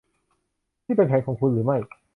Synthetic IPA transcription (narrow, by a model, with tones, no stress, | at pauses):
t̪ʰiː˥˩pe˧npʰɛː˨˩˦nkɔː˩˦ŋkʰu˧nɾɯː˩˦ma˥˩j